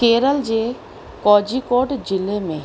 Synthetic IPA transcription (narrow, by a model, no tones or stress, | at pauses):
keːɾəld͡ʒe | kɔːd͡ʒikoːʈd͡ʒɪlːemẽ